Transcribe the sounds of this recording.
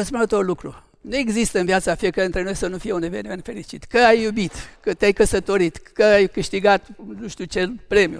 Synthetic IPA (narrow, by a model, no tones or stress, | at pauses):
əspunət̪orlukɾṵ | nue̞ɡzist̪əɨnviat̪safiekaɾeɨnt̪ɾe̞no̞jsənufije̞une̞venime̞nt̪fe̞lit͡ʃit̪kəajːubit̪kət̪eajkəsət̪o̞ɾit̪kəajkɨʃt̪iɡat̪nuʃt̪iut͡ʃelpɾe̞mjṵ